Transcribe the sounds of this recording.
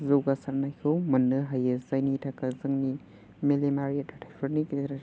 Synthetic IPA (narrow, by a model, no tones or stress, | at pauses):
zowɡasaɾnajkʰɯwmɐnːɯɦajezajnitʰakʰazɯŋni | melemaɾietːatʰajpʰɐɾnikɾ